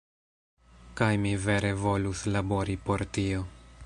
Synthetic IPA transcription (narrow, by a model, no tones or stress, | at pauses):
kajmive̞ɾe̞vo̞luslabo̞ɾipo̞ɾtio̞